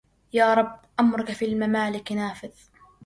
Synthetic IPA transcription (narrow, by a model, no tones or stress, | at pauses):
jaːɾˤɑbːʔamɾʊkafiːlmamaːlɪknaːfɪð